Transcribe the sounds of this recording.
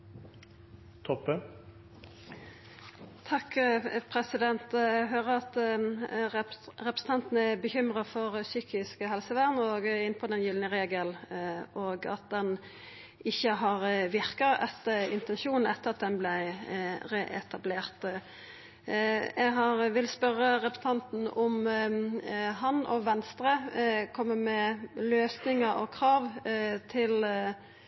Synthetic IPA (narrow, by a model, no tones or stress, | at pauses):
t̪ʰɔpːə | t̪ʰɑkpʰɾɛsɪd̪ɛnt̪ɛɡɦøːʁəɑt̪ | ʁɛpɾə̥sn̩ɑnt̪n̩əɛbəçʏmʁɑfɔʁsyːkɪskəɦɛlsəʋæʁnəoɡɪnpʰɔd̪ɛnjʏlnəʁeːɡəlʔoːɡɑ̰t̪̚d̪ɛn | ɪçːəɦɑʁʋɪʁkɑɛt̪ːəɪnt̪ɛnʃuːnn̩ɛt̪ːəɾɑt̪̚d̪ɛnblæɪʁeʔɛt̪ʰɑbleːʁt̪ | jɛɡɦɑʁʋɪlspœɾːəɾɛpsn̩ʰɑnt̪n̩ʊm | ɦɑnɔ̰ʋɛnst̪ɾəkʰɔmːəmɛløːsnɪŋəɔ̰kʰʁɑːʋt̪ʰɪl